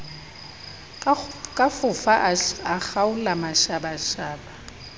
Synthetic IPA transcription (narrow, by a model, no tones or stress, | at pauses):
kʼafʊfaʔaxaulamaʃabaʃaːɓa